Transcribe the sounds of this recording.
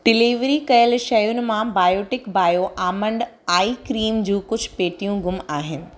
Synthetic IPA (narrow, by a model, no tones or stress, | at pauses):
ɖɪliːʋɾikɐjəlʃɐjʊnɪ̆mãbaːjoːʈɪkbaːjoʔaːmə̃ɳɖ | aːikɾiːmd͡ʑũːkʊd͡ʑʱpeːʈijũɡʊmaːɦɪnɪ̆